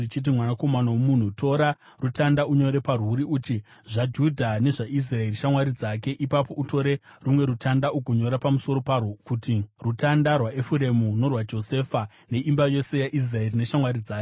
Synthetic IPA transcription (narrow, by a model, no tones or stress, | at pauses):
it͡ʃit̬imwanako̞manawomun̤uto̞ɾa | rutandauɲo̞ɾe̞paruɾiuti | ʐad͡ʒudʱane̞ʐaʔis̬rae̞riʃamwaɾid͡zake̞ʔipapo̞ʔuto̞ɾe̞rumwe̞ɾutʰandaʔukuɲoɾapamuso̞ɾo̞parkutirutandarwaʔefuɾe̞muno̞rwad͡ʒo̞se̞ːfa | ne̞ʔimbajo̞se̞jaʔis̬rae̞rine̞ʃamwaɾid͡zaːke